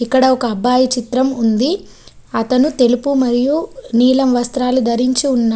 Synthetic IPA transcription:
ikːɐɽɐɔkɐːbːaːjit͡ʃit̪ɾɐmund̪i | ɐt̪ɐnut̪e̞lupumɐɾijuniːlɐmʋɐst̪ɾaːlud̪ɐɾiɲt͡ʃiunːaː

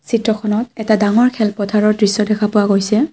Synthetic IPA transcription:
sitɹɔkʰɔnɔtɛtadaŋɔɹkʰɛlpɔtʰaɹɔɹdɹisːɔdɛkʰapʊwaɡojsɛ

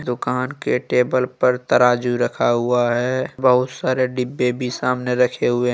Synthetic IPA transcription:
d̪ʊkaːnkeʈeːbəlpəɾt̪əɾaːd͡ʒuɾəkʰaɦʊaɦɛːbəɦʊt̪saːɾeɖɪbːẽbʱisaːmneɾəkʰeɦʊe

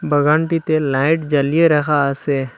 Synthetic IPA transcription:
bəɡaːɳʈit̪elaːɪʈd͡ʒəlijeɾəkʰaseː

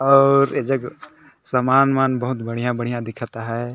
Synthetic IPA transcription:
ɔːɾed͡ʒɐɡ | sɐmaːnmaːnbɐɦʊt̪bɐɽ̤ijãbɐɽ̤ijãd̪ɪkʰat̪aɦɛː

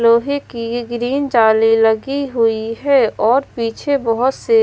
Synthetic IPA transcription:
loːɦekiɡɾiːnd͡ʒaːliləɡiɦʊiɦɛːɔːɾpiːt͡ʃʰebəɦʊt̪se

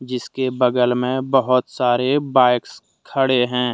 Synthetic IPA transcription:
d͡ʒɪskebɐɡəlmẽbəɦʊt̪saːɾebaːɪks | kʰəɽeɦɛ̃ː

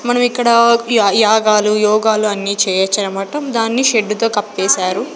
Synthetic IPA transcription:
mɐnɐmikːɐɽɐjaːɡaːlujɔːɡaːluɐnːiːt͡ʃɛːjɐt͡ʃːɐnɐmaːʈɐmd̪aːnːiʃeɖːut̪o̞ːkɐpːeːsaːɾu

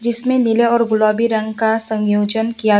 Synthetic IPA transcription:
d͡ʒɪsmẽnɪleɔːɾɡʊlaːbiɾɐ̃ŋɡkasə̃ŋjoːd͡ʒənkija

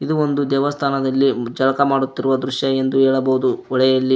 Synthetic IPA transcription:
id̪uond̪ud̪ɛːʋɐst̪ʰaːnɐd̪ɐlːid͡ʒɐlɐkɐmaːɽut̪ːiɾuʋɐd̪ɾuʃjɐe̞nd̪uɦɛːɭɐboɦud̪uɔɭɛjɐlːi

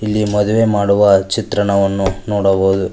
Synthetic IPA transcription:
ilːimɔd̪uʋe̞ːmaːɽuʋɐt͡ʃit̪ɾɐɳɐʋɐnːunoːɽɐboːd̪u

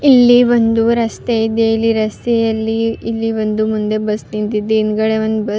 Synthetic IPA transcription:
ilːiʋond̪uɾɐst̪eid̪eilːiɾɐst̪ejɐlːiːlːiʋond̪umund̪e̞bɐsnint̪id̪einɡɐɭeʋɐnd̪ubɐ

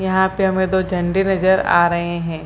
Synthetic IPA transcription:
jɐɦãpeɦɐmẽd̪oːd͡ʒʱɐ̃ɳɖenɐzəɾa̰ːɾɐɦeɦɛ̃ː

